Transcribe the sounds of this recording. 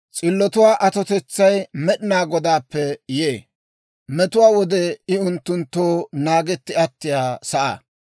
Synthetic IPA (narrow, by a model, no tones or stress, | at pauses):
t͡sʼɪlːɔt̪ʊwaːʔɐt̪ɔt̪ɛt͡sːɐjmɛɗɪnaːɡɔd̪aːpːɛjeː | mɛt̪ʊwaːwɔd̪ɛɪʊnt̪ːʊnt̪ːoːnaːɡɛt̪ːɪɐt̪ːɪjaːsɐʔa̰ː